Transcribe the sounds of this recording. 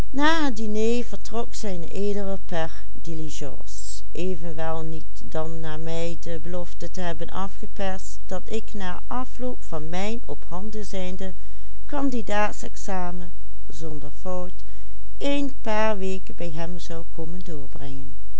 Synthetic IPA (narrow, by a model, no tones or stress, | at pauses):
naːɦədinejvəɹtrɔksɛjnʔeːdərəpɛɹ | diliʒɑ̰ːs | ʔeːvənʋɛlˠnit | dɑnːaːɹmɛjdəbəlɔftətəɦɛbənʔɑfχəpɛɹstd̥ɑtɪknaːɹʔɑflowpfɑnmɛjnɔphɑndəzɛjndə | kɑndidaːtsɛksaːmə | zɔndəɹfɔwt | ejnpaːɹʋeːkəbɛjɦɛmzɑwkoməndʊːɹbrɛŋən